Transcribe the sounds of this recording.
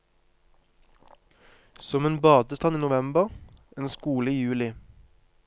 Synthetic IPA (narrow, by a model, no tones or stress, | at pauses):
sɔmeːnbɑːd̪əst̪ɑniːnʊʋɛmbəʁeːnskuːləiːjʉːlɪ